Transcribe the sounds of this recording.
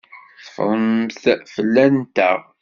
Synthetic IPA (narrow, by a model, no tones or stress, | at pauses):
θfɾˤəmθfəlːænt̪æ̰ʁ